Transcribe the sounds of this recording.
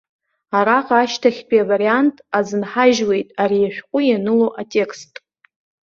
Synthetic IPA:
aɾaqʼaʃtʰaχʲpʼiavaɾiantʼazɨnħaʒwe̞jtʼaɾiaʃʷᶣqʷʼʊjanɨloʔatʼe̞kʰʼstʼ

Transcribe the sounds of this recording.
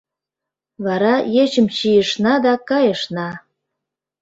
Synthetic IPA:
βɑɾɑjet͡ɕə̆mɕijə̆ʃnɑd̪ɑkɑjɤ̆ʃnɑ

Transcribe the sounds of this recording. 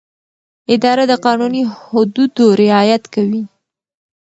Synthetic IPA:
ɪd̪ɑɾad̪əqɑnunihʊd̪ud̪oɾɪɑjat̪kawi

